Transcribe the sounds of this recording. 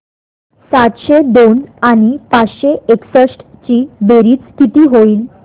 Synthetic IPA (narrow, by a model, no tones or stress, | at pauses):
sat̪ɕed̪onaɽ̃ipat͡sɕeeksəsʈt͡ɕiːbeɾiːt͡sst̪ʰit̪iːɦoiːl